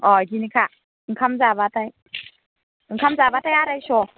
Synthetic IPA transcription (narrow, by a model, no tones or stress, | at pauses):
ɔɡinikʰa | ŋ̩kʰamzabatʰaj | ŋ̩kʰamzabatʰajaɾajsɔ